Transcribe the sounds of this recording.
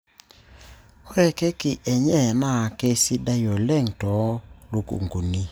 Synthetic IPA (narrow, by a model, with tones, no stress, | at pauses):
hwɛ˦˨ke˦kɪ˨ʔɛ˨ɲɛ˦˨na˦˨ke˦si˦da˦jɔ˨lɛ˦˨ŋtɔ˨˦lu˨kṵ˨ŋɡu˨ni˦